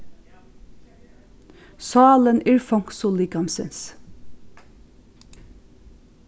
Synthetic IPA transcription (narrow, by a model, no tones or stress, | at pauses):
sɑːlənɪɹfɔŋksʊlɪɡɑnsə̰ns